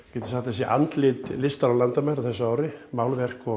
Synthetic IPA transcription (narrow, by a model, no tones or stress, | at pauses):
cɛːt̪ɪ̥aht̪ɛsiɛʔa̰nt̪lɪt̪lɪst̪aɾalant̪amɛɾaθɛsːaaːwɾɪmaːwlvɛr̥kɔ